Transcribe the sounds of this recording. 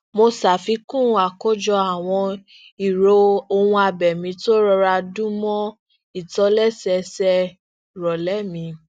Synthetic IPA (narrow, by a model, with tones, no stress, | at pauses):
mo˧sa˨fi˨˧˦kũ˦˨˧a˨kɔ˦d͡ʒɔ˧a˨w̃ɔ̃˧ | i˨ɾo˧o˧hũ˧a˧bɛ˨mĩ˨˦to˦ɾɔ˧ɾa˧dũ˦mɔ̃˦ | i˦˨tɔ˨˧˦lɛ˦˨sɛ˧sɛ˦˨ | ɾɔ˨lɛ˨˦˨mĩ˧